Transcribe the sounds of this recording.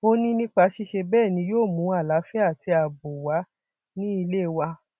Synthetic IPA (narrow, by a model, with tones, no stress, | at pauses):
o˧nĩ˦nĩ˦k͡pa˧˦ʃi˧˦ʃe˧bɛː˦˨nĩ˧˦joː˦˨mũ˨˦a˦˨la˨˦fɛ˦a˦˨ti˧˦a˨bo˨wa˨˦ | nĩ˦i˧le˦˨wa˧